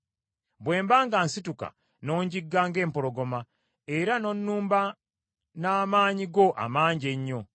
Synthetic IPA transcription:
bwe̞ːmbaːŋɡaːnsituka̰ | no̞ːɲɟiɡːaːŋɡe̞ːmpoɾo̞ɡo̞ma | e̞ɾano̞nːuːmba | naːmaːɲiɡo̞ʔa̰maːɲɟe̞ɲːo̞

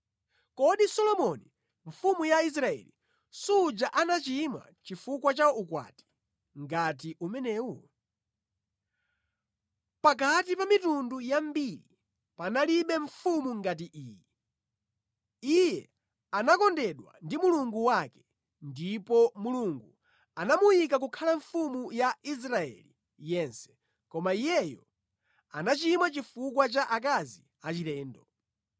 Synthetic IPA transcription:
kɔɗisɔlɔmɔni | ɱfumujais̬ɾaɛ̰li | sud͡ʒaʔanat͡ʃima̰t͡ʃifukwat͡ʃaukwa̰ti̥ | ŋɡat̬iʔumɛnɛːwu | pak̬atipamitundujambiɾi | panaliɓɛɱfumuŋɡat̬iʔiːjɛ | ijɛ | anakɔndɛɗwa̰ndimuluŋɡuwakɛ̥ | ndipɔmuluŋɡu | anamujik̬ak̬ukʰalaɱfumujais̬ɾaɛ̰li | jɛnsɛ̥ | kɔmaijɛjɔ | a̰nat͡ʃimwat͡ʃifukwat͡ʃaʔak̬azi | at͡ʃiɾɛːndɔ

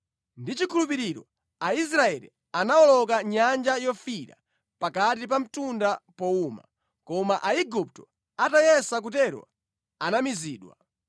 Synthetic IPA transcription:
ndit͡ʃikʰulupiɾiɾɔ̰ | ais̬ɾaɛlḭ | anaɔlɔkaɲand͡ʒajɔfiɾa̰ | pakatip̬am̩tundapɔuma̰ | kɔmaʔaiɡup̚tɔ | atajɛsak̬utɛɾwɔ̰ | anamiziːɗwa̰

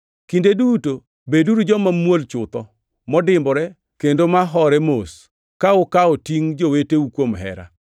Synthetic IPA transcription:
kindeduto | beduɾud͡ʒɔmamwolt͡ʃʊt̪ɔ | mɔdɪmbɔɾɛ | kendomaɦɔɾɛmos | kaʊkaotiŋd͡ʒoweteukwomɦɛ̰ɾa̰

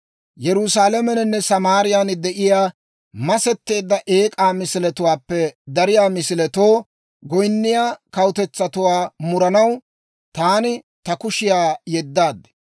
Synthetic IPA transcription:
jɛɾʊsaːlɐmɛnɛnːɛsɐmaːɾɪjand̪ɛʔɪjaː | mɐsɛt̪ːe̞ːd̪ːɐʔe̞ːkʼaːmɪsɪlɛt̪ʊwaːpːɛd̪ɐɾɪjaːmɪsɪlɛt̪oː | ɡɔjnːɪjaːkɐwʊt̪ɛt͡sːɐt̪ʊwaːmʊɾɐnɐw | t̪aːnɪ | t̪ɐkʊʃɪjaːjɛd̪ːaːd̪ːɛ̥

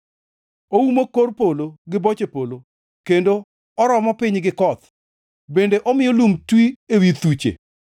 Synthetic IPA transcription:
owumokorpoloɡɪbot͡ʃepolo | kendo | ɔɾɔmɔpɪɲɡɪkɔt̪ | bendeʔɔmɪjɔlumtwiewit̪ut͡ʃḛ

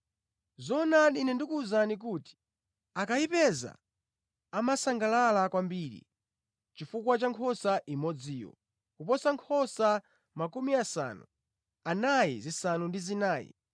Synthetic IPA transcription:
zɔnaɗinɛndikuːzanik̬uːti̥ | akaipɛza̰ | amasaŋɡalalakwambiːɾḭ | t͡ʃifukwat͡ʃaŋkʰɔsaʔimɔd͡ziːjɔ̰ | kupɔsaŋkʰɔsa | makumiasa̰nu | anajḭzisanundizinaːjḭ

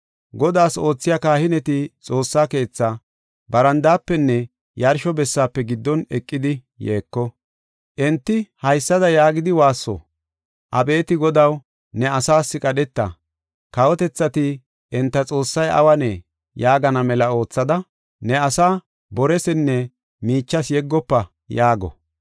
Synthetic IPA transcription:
ɡɔd̪aːso̞ːt͡sːɪjaːkaːhɪnɛt̪ɪt͡sʼo̞ːsːaːke̞ːt͡sːa | bɐɾɐnd̪aːpːɛnːɛ | jɐɾʃɔbɛsːaːpːɛɡɪd̪ːɔnɛkʼːɪd̪ɪ | jeːkːɔ | ʔɛnt̪ːɪhɐjsːɐd̪ɐjaːɡɪd̪ɪwaːsːɔ̰ | ʔɐbe̞ːt̪ɪɡɔd̪ɐw | nɛɐsaːsːɪkʼɐɗɛt̪ːɐ | kɐwɔt̪ɛt͡sːɐt̪ɪ | ʔɛnt̪ːɐt͡sʼo̞ːsːɐjʔɐ̰wɐneː | jaːɡɐnɐmɛlɐo̞ːt͡sːɐd̪ɐ | nɛɐsaː | bɔɾɛsɛnːɛ | miːt͡ʃːɐsjɛɡːɔpːɐ | jaːɡɔ̰

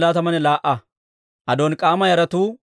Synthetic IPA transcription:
laːt̪ɐmɐnɛlaːʔɐ | ʔɐd̪oːnkʼaːmɐjɐɾɐt̪uː

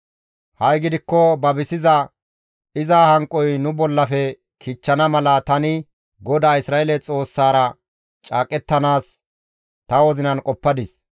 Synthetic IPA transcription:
hɐjɡɪd̪ɪkːɔbɐbɪsɪzɐ | ɪzaːhɐŋkʼːɔjnʊbɔlːɐfɛ | kʰɪt͡ʃːɐnɐmɐlɐt̪ɐnɪ | ɡɔd̪aːɪsɾaːelɛt͡sʼo̞ːsːaːɾɐ | t͡ʃʼaːkʼɛt̪ːɐnaːs | t̪ɐwɔzɪnɐnkʼɔpːɐd̪ɪs

